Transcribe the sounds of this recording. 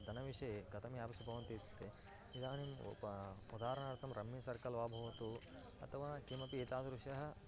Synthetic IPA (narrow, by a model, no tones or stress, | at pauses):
d̪ʱɐnɐʋiʂɐjeɡɐt̪ʰɐmjaːbɐsubʱɐʋɐnt̪it̪t̪ːe | id̪aːnim | ud̪aːɾɐɳaːɾt̪ʰɐmɾʔɐmːisɐɾkɐlʋaːbʱɐʋɐt̪u | ɐ̰t̪ʰɐʋaːkimɐpieːt̪aːd̪ɾuʂjɐɦɐ̆